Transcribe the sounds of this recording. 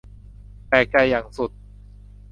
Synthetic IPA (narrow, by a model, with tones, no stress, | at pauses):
t̪ɛː˨˩ka˧jːaː˨˩ŋsu˨˩t̪̚